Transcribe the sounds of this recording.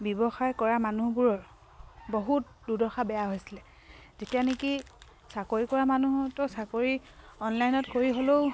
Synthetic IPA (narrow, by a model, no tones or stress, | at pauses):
bɔbɔxajkɔɹamanubuɹɔɹ | boɦut̚ | dudɔxabɛjaɦojsilɛ | zetianeki | sakoɹikɔɹamanuɦtɔsakoɹi | ɔnlajnɔtkoɹiɦoloʊ